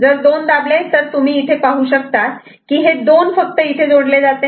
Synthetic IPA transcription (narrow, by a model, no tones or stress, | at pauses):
d͡zəɾd̪ond̪ablet̪əɾt̪um̤iːt̪ʰepaɦuːɕəkt̪at̪ | kiːɦed̪onfək̚t̪əit̪ʰed͡zoɽled͡zat̪e